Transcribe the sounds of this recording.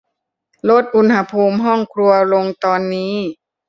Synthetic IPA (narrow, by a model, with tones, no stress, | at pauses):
lo˦˥˩t̪̚ʔu˧˥nha˧˥pʰuː˧mɦɔ˥˩ŋkʰɾu˧ɐlo˧ŋt̪ɔː˧nːiː˦˥